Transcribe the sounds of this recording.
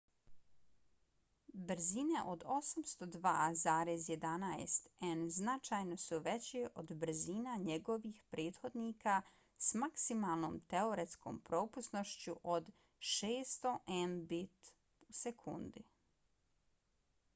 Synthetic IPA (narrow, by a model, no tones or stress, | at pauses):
bɾ̩zine̞ʔo̞d̪o̞samst̪o̞d̪ʋaːzaːɾezje̞d̪anaḛst̪enznat͡ʃaːjno̞suʋet͡ɕeʔod̪br̩ziːnaɲeɡo̞ʋixpɾʔeːt̪xo̞d̪niːka | smaksimaːlˠno̞ːmt̪eo̞ɾet̪sko̞̰ːmpɾo̞ːpusno̞ʃt͡ɕuʔod̪ | ʃeːst̪o̞ʔenbit̪ | usekʰṵnd̪i